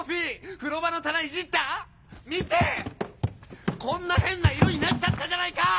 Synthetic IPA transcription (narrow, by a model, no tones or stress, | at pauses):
ɸʲiɸɯ̟ɾo̞bano̞t̪anaiʑit̪ːa | mʲit̪e̞ | kõ̞nːaɦẽ̞nːaiɾoɲ̟inat͡ɕat̪ːad͡ʑanaika